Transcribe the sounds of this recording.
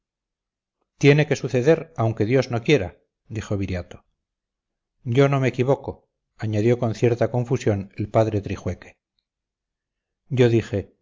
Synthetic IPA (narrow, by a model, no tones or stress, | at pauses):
t̪je̞ne̞ke̞suθe̞ðe̞ɾawŋke̞ðjo̞zno̞kjeɾa̰ | d̪ixo̞βiɾjat̪o | ɟ͡ʝo̞no̞mekiβo̞ko̞ | aɲaðjo̞ko̞nθje̞ɾt̪ako̞ɱfusjo̞ne̞lpaðɾe̞t̪ɾixwe̞ke̥ | ɟ͡ʝo̞ðixe̞